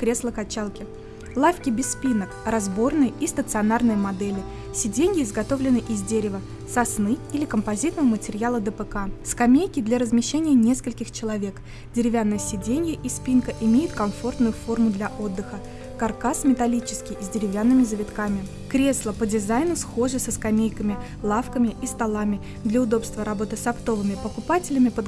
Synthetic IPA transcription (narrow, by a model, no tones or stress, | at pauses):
kɾʲe̞slˠəkɐt͡ɕalˠkʲɪ | lˠafkʲɪbʲɪsːpʲinəkrɐzbo̞rnɨjəist̪ət̪sɨɐnarnɨjəmɐd̪ɛlʲɪ | sʲɪdʲenʲɪjəɪzɡɐt̪o̞vlʲɪnɨʔɪzʲdʲeɾʲɪvə | sɐsnɨilʲɪkəmpɐzʲit̪nəvəmətʲɪɾʲjalˠəd̪əpəkaskɐmʲejkʲɪd̪lʲaɾəzmʲɪɕːenʲɪjənʲe̞skəlʲkʲɪxt͡ɕɪlˠɐvʲe̞k | dʲɪɾʲɪvʲanːəjəsʲɪdʲenʲɪjəʔispʲinkəʔɪmʲejɪt̪kɐɱfo̞rt̪nʊjʊfo̞rmʊd̪lʲɐʔo̞d̪ːɨxə | kɐrkasmʲɪt̪ɐlʲit͡ɕɪ̥skʲɪjzʲdʲɪɾʲɪvʲanːɨmʲɪzəvʲɪt̪kamʲɪ | kɾʲe̞slˠəpədʲɪzajnʊsxo̞ʐɨsəskɐmʲejkəmʲɪ | lˠafkəmʲɪʔist̪alˠamʲɪ | d̪lʲəʊd̪o̞pst̪vəɾɐbo̞t̪ɨsɐpt̪o̞vɨmʲɪpəkʊpatʲɪlʲɪmʲɪpəd̪